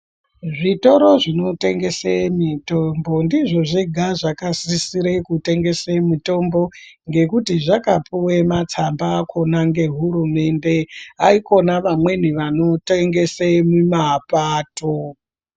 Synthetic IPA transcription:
ʐito̞ɾo̞ʐino̞te̞ŋɡe̞semitombo̞ndiʐo̞ʐiɡʱaʐakasisiɾekute̞ŋɡe̞semito̞mbo̞ | ŋɡe̞kutiʐakapuwemat͡sambakʰo̞naŋɡe̞ɦuɾume̞nde̞aiko̞naʋamwe̞niʋano̞teŋɡe̞semumapaːto

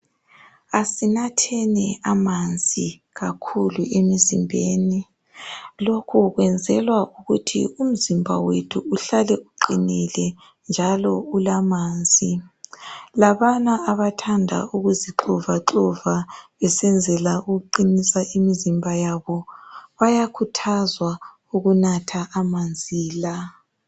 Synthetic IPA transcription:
asinatʰɛnɛamand͡zʱi | ɣakʰuluʔemizimbʱeːni | lokʰuɣwɛnd͡zʱɛlwauɣutʰḭum̩zimbʱa̰wetʰuːɬalɛʔuǃinilɛ | nd͡ʒʱalɔulamaːnd͡zʱi | laβanaːβatʰandʱa̰uɣuziǁɔvaǁɔvaβɛsɛnd͡zʱɛlauɣuǃinisaimizimbʱajaβɔβajakʰutʰazwa | uɣunatʰaʔːmand͡zʱiːla

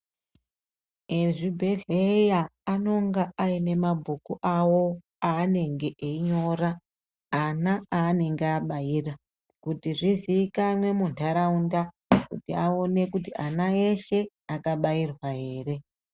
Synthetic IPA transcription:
eʐibʱe̞ɮejaːno̞ŋɡaaine̞mabʱukuʔawo̞ | aːne̞ŋɡe̞ʔeiɲo̞ːraː | naaːne̞ŋɡeaɓaiːra | kutiʐiziːkamwe̞muntʰaɾaunda | kṵtiao̞ne̞kutiʔanae̞ʃe̞ | akaɓairwaɦe̞ːre̞

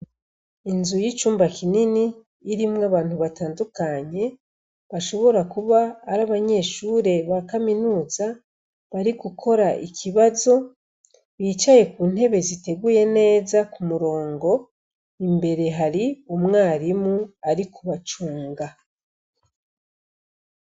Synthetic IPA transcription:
inzujit͡ʃuːmbakininiː | ɾimŋaβaːn̥huβataːndukaɲe̞ | βaʃo̞βo̞ɾakuβaːɾaβaɲe̞ʃuɾe̞βakaminuːza | βaɾikukʰo̞ɾaʔikʰiβazo̞ | βiːt͡ʃaje̞kuːn̥he̞βe̞zite̞ɡuje̞ne̞ːzakumuɾo̞ːŋɡo̞ | imbe̞ɾe̞ɦaɾiumŋaːɾimuaɾikuβat͡ʃuːŋɡa

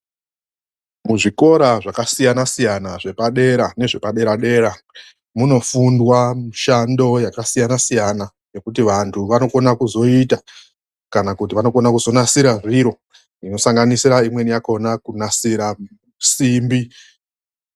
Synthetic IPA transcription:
muʐiko̞ɾaʐakasijanasijanaʐe̞paɗe̞ɾane̞ʐe̞paɗe̞ɾaɗe̞ɾa | muno̞fundwamuʃando̞jakasijanasijana | ne̞kutiʋantʰuʋano̞ko̞nakuzo̞ita | kanakutiʋano̞ko̞nakuzo̞nasiɾaʐiɾo̞ | ino̞saŋɡanisiɾaimwe̞nijako̞nakunasiɾa | simbi

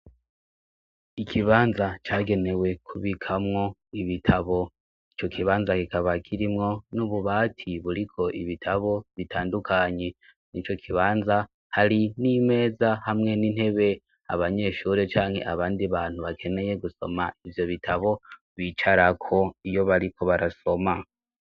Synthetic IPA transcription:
ikʰiβaːnzat͡ʃaːɡe̞ne̞we̞kʰuβikʰamŋo̞iβitʰaβo̞ | it͡ʃo̞kʰiβaːnzakikaβakʰiɾimŋo̞nuβuβaːtʰiβuɾikʰo̞ʔiβitʰaβo̞βitʰaːndukʰaɲe̞ | nit͡ʃo̞kʰiβaːnza | haɾinime̞ːzahamŋe̞ninhe̞βe̞ | a̰βaɲe̞ːʃuːɾe̞t͡ʃaːŋhe̞̰ʔaβaːndiβaːn̥huβakʰe̞ne̞je̞ɡuso̞̰maivjo̞βitʰaβo̞ | βit͡ʃaɾakʰo̞ijo̞βaɾikʰo̞βaɾaso̞ma

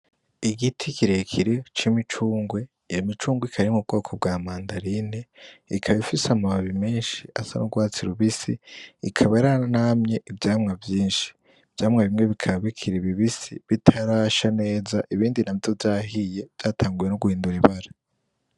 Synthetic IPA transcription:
iɡitʰikiɾe̞kʰiɾet͡ʃimit͡ʃuːŋɡwe | ijomit͡ʃuːŋɡwikʰaɾimub̚ɡo̞ːkʰob̚ɡaːmaːndaɾineikʰaβifisamaβaβimeːnʃiʔa̰sa̰nuɡwaːt͡siɾuβisḭːkʰaβaɾanamɲe̞ʔivjaːmŋavjiːnʃi̥ | v̥jaːmŋaβimŋe̞βikʰaβikʰiɾiβiβisḭβitʰaɾaːʃane̞ːzaʔiβiːndinavjovjaːɦije̞vjaːtʰaːŋɡuje̞nuɡuhiːnduɾiβaɾa

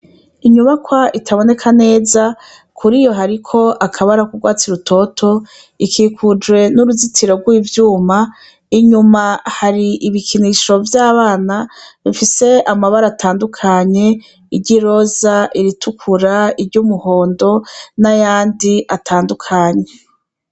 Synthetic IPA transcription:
iɲuβakwaʔitʰaβo̞ne̞kʰane̞ːza | kʰuɾijo̞ɦaɾikʰo̞ʔakʰaβaɾakuɡwaːt͡siɾutʰo̞tʰo̞ | ikʰiːkud͡ʒwe̞nuɾuzitʰiɾo̞ɡwiːvjuːma | iɲumahaɾiʔiβikʰiniʃo̞vjaːβaːnaβifise̞amaβaɾaːtʰaːndukʰaːɲe̞ | iɟiɾo̞zaʔiɾitʰukʰuɾaiɾɟuːmuho̞ːndo̞najaːndiʔatʰaːndukʰaːɲe̞

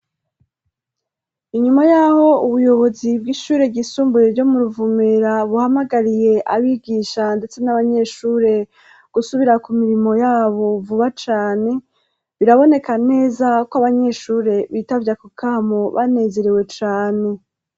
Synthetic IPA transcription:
iɲumajaːho̞uβujo̞βo̞zibɡiʃuːɾe̞ɡisuːmbujeɾɟo̞muɾuvumeɾaβuhamaɡaɾije̞ʔaβiɡiːʃande̞t͡se̞naβaɲe̞ʃuːɾe̞ | ɡ̥usuβiɾakumiɾimo̞jaːβo̞vuβat͡ʃaːne̞ | βiɾaβo̞ne̞kane̞ːzakwaβaɲe̞ʃuːɾe̞βitavjakukʰaːmo̞βa̰ne̞ze̞ɾewe̞t͡ʃaːne̞

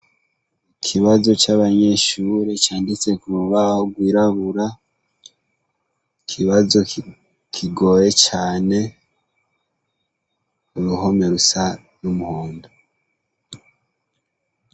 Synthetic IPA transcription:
ikʰiβazo̞t͡ʃaβaɲe̞ʃuɾet͡ʃaːndit͡se̞kuɾuβahoɡwiːɾaβuɾa | ikʰiβazo̞ | kʰiɡo̞je̞t͡ʃaːne̞ | uɾuɦo̞me̞ɾusa | numuhoːndo

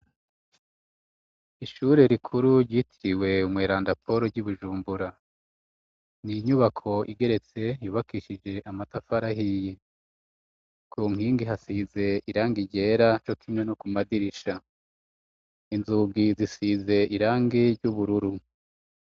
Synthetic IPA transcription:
iʃuɾe̞ɾikʰuɾuɾɟiːtʰiɾiwe̞umŋeːɾaːndapʰo̞ɾoɾɟuβuʒuːmbuɾa | niɲuβakʰo̞ʔḭɡe̞ɾe̞t͡se̞juːβakiːʃid͡ʒe̞ʔamatafaɾaɦije | kʰuŋhiːŋɡiɦasiːze̞iɾaːŋɡiɟe̞ːɾat͡ʃo̞kʰimŋwe̞nokumadiɾiʃa | inzuɡizisize̞iɾaːŋɡiɾɟuβuɾuɾu

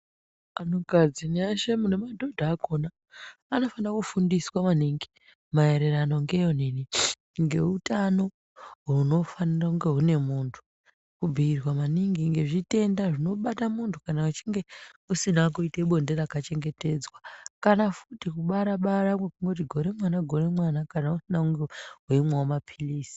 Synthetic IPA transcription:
anokad͡zineaʃemune̞madʱo̞dʱaːko̞naː | no̞fanakufundiswamaniŋɡi | mae̞ɾeɾano̞ŋɡe̞jonini | ŋɡe̞ɦutano̞ | ɦuno̞fanirauŋɡe̞ɦune̞muːntʰu̥ | kubʱiːrwamaniŋɡiŋɡe̞ʐite̞ndaʐino̞ɓatamuntʰu̥kanaut͡ʃiŋɡe̞usinak̬uiteɓo̞ndeɾakat͡ʃe̞ŋɡe̞te̞d͡zwakanafutikuɓaɾaɓaɾamwekuŋɡo̞t̬iɡʱo̞ɾe̞mwanaɡʱo̞ɾe̞mwanakanausinakuŋɡeɦweimwawomapʰiliːsi̥

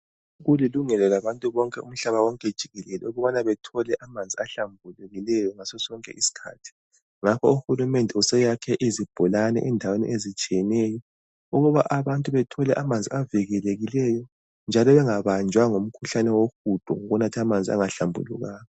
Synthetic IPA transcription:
ɣuliluŋɛlɛlaβantʼuβɔŋkʼɛṵm̩ɬaβawɔŋkʼɛd̥ʒ̥ʱiɣɛlɛlɛ̰uɣuβanaβɛtʰɔlɛʔamand͡zʱiaɬambʱuluɣilɛjɔŋasɔsɔŋkʼɛ̰ʔisi̥kʰa̰ːtʰi̥ | ŋakʰɔuxulumɛndʱɛusɛjakʰɛʔizib̥ʱulanɛ̰ʔɛndʱawenḭʔezit͡ʃʼijɛnɛjɔ | uɣuβaʔaβantʼuβɛtʰɔlɛʔamand͡zʱḭaviɣɛleɣilɛjɔ | nd͡ʒʱalɔβɛŋaβand͡ʒʱwaŋom̩kʰuɬanɛwoxud̥ʱɔ̰ŋoɣunatʰamand͡zʱia̰ŋaɬambʱṵlṵɣaːjɔ

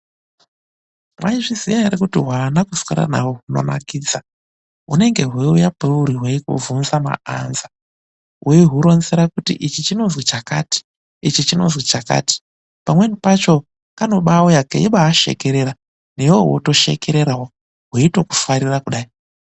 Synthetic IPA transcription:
mwʔaiʐizijaiɾekutiɦwaːnakuskḭɾa̰nawoɦuno̞̰na̰kiːd͡za | ɦune̞ŋɡe̞ɦweujapeuɾiɦweikṵvunzama̰a̰nza | ɦweiɦuɾo̞nzeɾakutḭʔit͡ʃit͡ʃino̞nzwet͡ʃakati̥ | it͡ʃit͡ʃino̞̰zwet͡ʃaka̰ːti̥ | pamwe̞nipat͡ʃo̞ | kano̞ɓawojakḛiɓaːʃe̞̰keɾe̞ɾa | nejowo̰to̞ʃe̞̰ke̞ɾe̞ɾawo | ɦeito̞ku̥faɾirakuɗaːi

